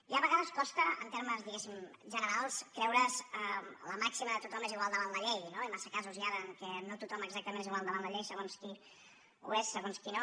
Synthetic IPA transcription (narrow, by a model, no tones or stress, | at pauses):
iaβəɣaðəskɔst̪əə̰nt̪eɾməzðiɣesimʒənəɾalˠskɾɛwɾəzələmaksiməðət̪ut̪ɔmeziɣwalˠd̪əβanləʎejnoimasəkazuziaðəːŋkɛnot̪ut̪ɔməɡzak̚t̪əmẽneziɣwalˠd̪əβanləʎejsəɣ̞onski | ṵesːəɣonskino